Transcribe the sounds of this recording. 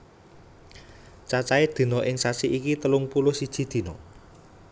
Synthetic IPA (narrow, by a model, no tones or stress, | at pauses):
t͡ʃat͡ʃaed̪̥i̤nɔʔɪŋsasiʔikit̪əlʊŋpulʊsid̥ʒ̥i̤d̪̥i̤nɔ